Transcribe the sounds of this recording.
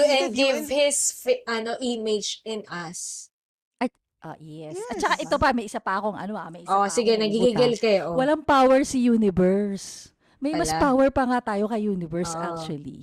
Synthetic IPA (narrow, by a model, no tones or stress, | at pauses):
ɛnɡɪvhɪsfʔɐnoʔimɪd͡ʒɪnɐs | ʔɐ | ʔo̰jɛsɐtt͡ʃɐkaʔɪt̪opɐmɐjʔɪsapɐʔɐkoŋʔɐ̰no̞ʔɐ̰mɐjʔɪsosɪɡɛnɐɡiɡiɡɪlkɐjoʔowɐlaŋpawɛɹsɐjuːnɪvɛɹs | mɐjmɐspawɛɹpɐŋat̪aːjo̞kɐjuːnɪvɛɹsʔak̚t͡ʃwɐlḭ